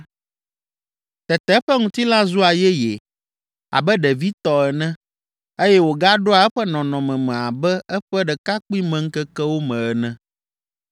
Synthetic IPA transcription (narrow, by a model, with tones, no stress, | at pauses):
t̪ɛ˨t̪ɛ˦ɸɛ˦ŋũ˨t̪i˦la˦zu˦a˨jɛ˦je˨ | a̰˨bɛ˦ɖɛ˨vi˦t̪ɔ˨ɛ˨nɛ̃˦ | e˦jɛ˦wo˨ɡa˦ɖo˦a˨ɛ˦ɸɛ˦nɔ̃˨nɔ̃˨mɛ̃˨mɛ̃˨a˨bɛ˦ɛ˦ɸɛ˦ɖɛ˨ka˦k͡pi˦mɛ̃˨ŋ̩˦kɛ˦kɛ˦wo˦mɛ̃˨ɛ˨nɛ̃˦